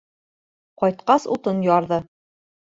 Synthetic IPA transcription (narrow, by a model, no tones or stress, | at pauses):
qɒjt̪qɑsṵt̪ɤnjɑɾðɤ